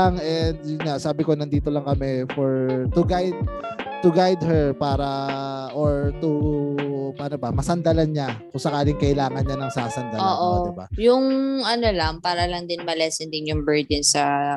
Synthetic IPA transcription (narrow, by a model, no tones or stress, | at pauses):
aŋɛnd̪̚jʊnɲasaːbɪko̞nɐnd̪iːt̪olɐŋkɐmɛfoɹt̪ʊɡajd̪̚t̪ʊɡajd̪hɛɹpaːɾɐʔoɹt̪u | paːnobɐmɐsɐnd̪ɐlɐnɲakʊŋsɐkaːlɪŋkɐʔɪlaːŋɐnɲanɐŋsaːsɐnd̪aoːʔodɪba̰jʊŋʔɐnolɐŋpaːɾɐlɐŋd̪ɪnmɐlɛːsɛnd̪ɪnjʊŋbɛɹd̪ɛnsɐ